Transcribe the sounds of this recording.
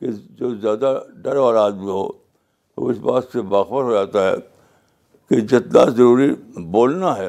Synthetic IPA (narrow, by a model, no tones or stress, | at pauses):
ked͡ʒoːzjaːd̪aɖɐɾʋaːlaːd̪miɦo̰ː | o̰ɪsbaːt̪sebaːxbəɾɦod͡ʒaːt̪aɦɛ̰ː | ked͡ʒɪt̪na̰zɐɾuːɾiboːlnaɦɛː